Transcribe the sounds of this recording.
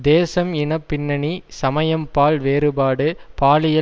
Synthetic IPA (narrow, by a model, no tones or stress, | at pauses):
d̪eːsɐmɪɳɐpːɪnːɐɳisɐmɐjɐmpaːɭʋeːɾɯbaːɽɯpaːlɪjɐ